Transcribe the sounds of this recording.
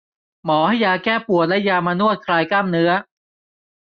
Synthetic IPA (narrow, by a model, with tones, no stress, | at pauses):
mɔː˩˦ha˥˩jːaː˧kɛː˥˩pu˨˩ət̪̚lɛ˦˥ʔjaː˧maː˧nu˥˩ət̪̚kʰɾaː˧jkaː˥˩mnɯ˦˥ɐ